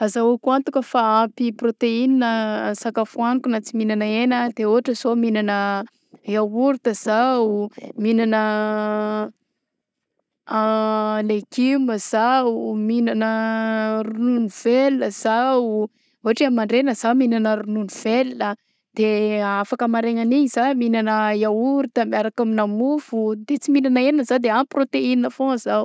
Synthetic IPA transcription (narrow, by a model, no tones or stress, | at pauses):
azawakuant̪ukʲəfaampiprot̪eininəsakafuanikunat͡siminanəenəd̪eoaʈ͡ʂəsominanə | jawuɾut̪əz̥awminanə | leɡiməz̥auminanəɾununiv̥elnəz̥awu | oaʈ͡ʂiamaɳɖ͡ʐenəz̥aminanəɾununiv̥elnə | d̪̥eafakəmaɾeŋaniɲiz̥aminanəjawuɾut̪əmiaɾakaminamuvud̪et͡siminanəennəzad̪eamprot̪eininəfõzaw